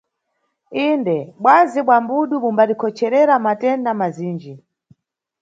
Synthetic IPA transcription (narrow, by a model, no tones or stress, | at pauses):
indɛɓwaziɓwambuɗumumbalikʰɔt͡ʃʰɛɾɛɾamatɛndamaziːnd͡ʒi